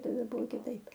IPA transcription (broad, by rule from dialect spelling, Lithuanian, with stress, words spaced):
tɐˈdɐ ˈbʊʋoː kʲɪˈtɐɪp